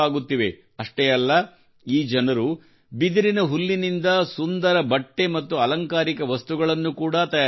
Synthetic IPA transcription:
aːɡut̪ːiʋe̞ | ɐʂʈeɐlːɐ | iːd͡ʒɐnɐɾu | bid̪iɾinɐɦulːinind̪ɐsund̪ɐɾɐbɐʈːe̞mɐt̪ːuɐlɐŋkaːɾikɐʋɐst̪uɡɐɭɐnːukuːɽɐt̪ɐjaː

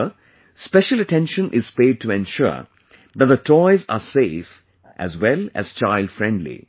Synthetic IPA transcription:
spɛʃələʈɛ̃nʃə̃nʔɪz̥peːɖ̚tuɛ̃nʃʊ̰ | ðæt̪̚d̪ətʰɔɪza̰seːf | ʔæ̰zwɛlæ̰z̥t͡ʃaɪlɖfɾɛ̃ndlḭ

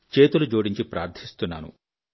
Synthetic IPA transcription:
t͡ʃeːt̪ulud͡ʒuːɽiɲt͡ʃipɾaːɾt̪ʰist̪unːa̰ːnṵ

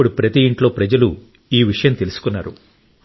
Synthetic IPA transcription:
uɽupɾɐt̪iːɳʈlo̞ːpɾɐd͡ʒɐlu | iːʋiʂɐjɐmt̪e̞lusu̥kunːaːɾṵ

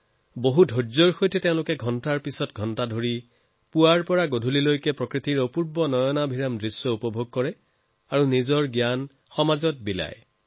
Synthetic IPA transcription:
boɦudʱozɔɹxojtɛteʊ̃lʊkɛɡʱɔntaɹpisɔtɡʱɔntadʱoɹi | puaɹpɔɹaɡodʱulilojkɛpɹɔkɹitiɹopuɹbɔnɔjɔnabʱiɹamdɹisjɔupɔbʱoɡ̚kɔɹɛ | aɹunizɔɹɡjan | xɔmazɔt̚bila̰j

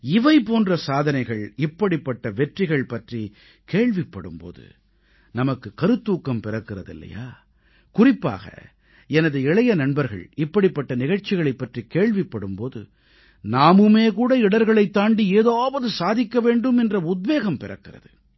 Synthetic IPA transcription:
ɪʋɐɪpoːndrɐsaːðɐnɐɪɣɐɭɪpːɐɽɪpːɐʈːɐʋɛʈrɪɣɐɭpɐʈri | keːɭʋɪpːɐɽɯ̰mpo̰ːðɯ̰ | nɐmɐkːɯkɐɾɯt̪ːuːkːɐmpɪrɐkːɪrɐðɪ̰lːɐ̰ja̰ː | kʊrɪpːa̰ːɣɐ̰ | ɛnɐðɯɪɭɐjɐnɐɳbɐɾɣɐ̰ɭɪpːɐɽɪpːɐʈːɐnɪɣɐɻt͡ʃɪɣɐɭɐɪpːɐʈrikeːɭʋɪpːɐɽɯmpoːðɯ̰ | naːmɯmeːkuːɽɐɪɽɐɾɣɐɭɐɪt̪ːaːɳɖieːðaːʋɐðɯsaːðɪkːɐʋeːɳɖɯmɛndrɐʊd̪̚ʋeːɣɐmpɪrɐ̰kːɪrɐ̰ðɯ̰

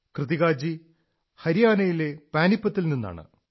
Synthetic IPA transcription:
krɨðiɣaːd͡ʑi | hɐɾijaːnɐjile̞paːnipːɐt̪ːilninːa̰ːɳɨ̰

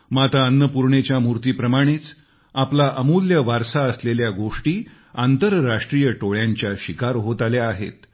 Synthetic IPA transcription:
mat̪aənːəpuɾɳet͡ɕjamuɾt̪iːpɾəmaɽ̃it͡s | aplaʔəmuljəʋaɾsaəsleljaɡoʂʈiː | ant̪əɾːaʂʈɾijəʈoɭjaɲt͡ɕjaɕikaɾɦot̪aljaːɦḛt̪

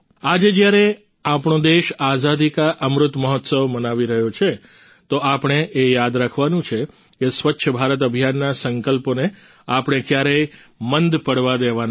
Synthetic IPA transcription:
ad͡ʒed͡ʒjaɾe | apɳ̃õd̪eʃazad̪ikaʔəmɾʊt̪məɦɔt̪səʋmənaʋiɾəɦjot͡ʃʰe | t̪oʔapɳ̃eʔejad̪ɾakʰʋanũt͡ʃʰe | kesʋətːʃʰəbʱaɾət̪̬əbʱjanːasəŋkəlpone | apɳ̃ekjaɾəjmənd̪pəɽʋad̪eʋan

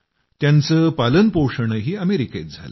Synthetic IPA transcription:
t̪jant͡səːpalənpowʂəɳəɦiːəmeɾiket̪̚d͡zʱa̰lə

